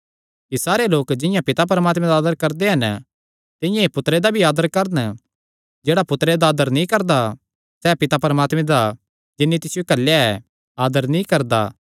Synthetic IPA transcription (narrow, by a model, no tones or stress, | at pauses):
kisaːɾeloːkd͡ʒɪ̃jãpɪt̪ap̬ɐɾəmaːt̪mẽd̪aːd̪əɾkɐɾd̪eɦɐn | t̪ɪ̃jãepʊt̪ɾed̪abʱiaːd̪əɾkɐɾn | d͡ʒeːɽapʊt̪ɾed̪aːd̪əɾnĩkɐɾd̪a | sɛːpɪt̪apɐɾəmaːt̪mẽd̪a | d͡ʒɪnːit̪ɪsɪjokɐlːjaɛ | aːd̪əɾnĩkɐɾd̪aː